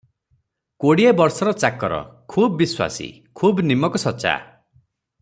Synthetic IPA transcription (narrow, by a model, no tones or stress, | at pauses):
koɽiebɔɾsɔɾɔt͡ʃakɔɾɔ̰kʰubːiswa̰sḭ | kʰubnimɔkɔsɔt͡ʃa̰